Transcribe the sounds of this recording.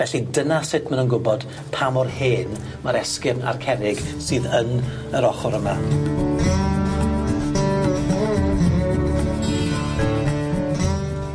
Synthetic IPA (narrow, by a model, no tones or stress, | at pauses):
vɛɬidənasɪtʰmanənɡʊbɔd̥ | pʰamɔrheːn | maɾɛskɪrna̰rkʰɛɾɪɡ̥sɨːðən | əɾɔχɔɾəma